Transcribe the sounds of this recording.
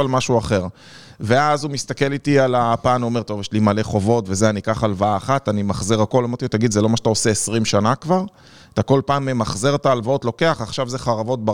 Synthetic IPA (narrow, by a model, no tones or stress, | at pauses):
almaʃuaχe̞ʁ | ve̞azumist̪ake̞lit̪ialapaːnveome̞ʁt̪o̞vjɛʃlimale̞χo̞vo̞tvezeanikaχalvaaːχatanimaχziʁako̞lomet̪it̪aɡid̪zelo̞maʃeḁt̪aose̞esʁimʃanakvaʁ | t̪ako̞lpaːmemaχzeʁt̪aːlvao̞tlo̞ke̞aχaχʃavze̞χaʁavo̞t̚ba